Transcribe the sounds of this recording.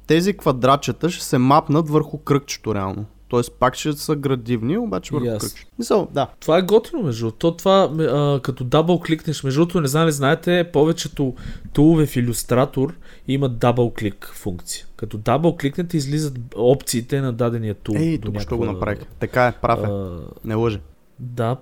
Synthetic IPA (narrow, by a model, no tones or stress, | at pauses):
t̪ɛzikvɐd̪ɾat͡ʃɛt̪əʃɛ̥sɛmapnət̪vəɾxʊkɾɤk̚t͡ʃɛ̥t̪ʊɾɛa̰lˠnot̪ɔɛspakt͡ʃɛsəɡɾɐd̪ivniobat͡ʃɛvəɾakɾət͡ʃ̪smisəlˠd̪at̪ovaɛɡɔt̪inomɛʒd̪ut̪ɔt̪ovamɛəkɐt̪ɔd̪abəlˠkliknɛʃmɛʒut̪onɛzamliznaɛt̪ɛpɔvɛt͡ʃɛt̪ot̪ulˠʊvɛfilʲʊst̪ɾat̪oɾ | imɐd̪abəlˠklikfuŋkt̪si̥ə̥kɐt̪ɔd̪abəlˠkliknɛt̪ɛizlizət̪ɔpt̪siːt̪ɛnɐd̪ad̪ɛniət̪ulɛd̪unʲaʃt̪ɔɡonɐpɾa̰vixt̪ɐkaɛpɾʔa̰fɛnɛlˠɤʒɛ | d̪a